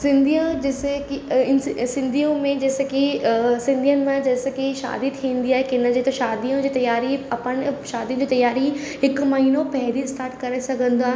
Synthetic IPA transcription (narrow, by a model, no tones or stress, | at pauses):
sɪ̃nd̪ijãd͡ʒɛːsekiɪnsɪ̃nd̪ʱijõmẽd͡ʒɛːsekisɪ̃nd̪ʱijənmẽd͡ʒɛːsekiʃa̰ːd̪it̪ʰĩːnd̪ijakɪnãd͡ʒet̪oʃaːd̪ijõd͡ʒiːt̪ɐjaːɾiɐpənʃaːd̪ijõd͡ʒit̪ɐjaːɾiɪkmɐɦiːnõpɛɦɾist̪ʰaːɾʈkɐɾesɐkə̃nd̪ãː